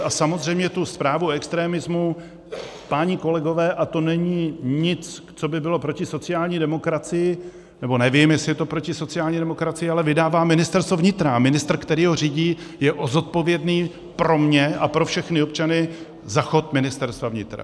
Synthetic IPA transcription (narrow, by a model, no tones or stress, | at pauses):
ʔasamo̞zr̝ɛjmɲɛt̪uspɾaːvuɛkst̪ɾɛːmɪzmu | paɲɪko̞lɛɡo̞vɛːʔat̪o̞nɛɲiːɲɪt͡s | t͡so̞bɪbɪlo̞pɾo̞cɪso̞t͡sɪjaːlɲiːdɛmo̞kɾat͡sɪjɪ | nɛbo̞nɛvimjɛsɪɛt̪o̞pɾo̞cɪso̞t͡sɪaːlɲiːdɛmo̞kɾat͡sɪjɪalɛvɪdaːvaːmɪnɪst̪ɛɾst̪vovɲɪt̪ɾamɪnɪst̪r̩kt̪ɛɾiːɦo̞riːɟiːjɛʔozo̞t̪̚po̞vjɛdniː | pɾo̞mɲɛʔapɾo̞fʃɛxnɪop̚t͡ʃanɪ | zaxo̞t̪mɪnɪst̪ɛɾst̪vavɲɪt̪ɾa̰